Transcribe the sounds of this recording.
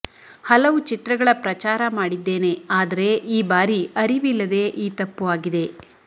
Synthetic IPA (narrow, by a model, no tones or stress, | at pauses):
hɐlɐʋut͡ʃit̪ɾɐɡɐɭɐpɾɐt͡ʃaːɾɐmaːɽid̪ːe̞ːne̞aːd̪ɐɾe̞ʔiːbaːɾiʔɐɾiʋilːɐd̪e̞ʔiːt̪ɐpːuʋaːɡid̪e̞